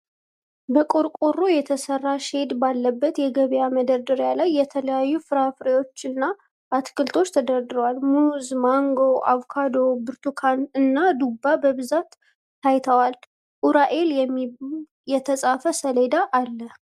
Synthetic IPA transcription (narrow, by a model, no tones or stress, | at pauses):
bəkʼoɾkʼorːojɛt̪ʰəsərːaʃe̞d̪balːəbːət̪jɛɡəβjaməd̪əɾd̪ɨɾjalajːɛt̪ʰələjajːufɨɾafɾewo̞t͡ʃːɨnːa | ʔat̪kʰɨlt̪ʰo̞t͡ʃːt̪ʰəd̪əɾd̪ɨɾəwalmuzmaŋɡo̞ʔa̰vkʰad̪o̞bɨɾt̪ʰukʰanɨnːad̪ubabəβɨzat̪ː | ajt̪ʰəwal | ʔuɾaʔe̞ljɛmː | jɛt̪ʰəsʼafəsəle̞d̪aʔːlːə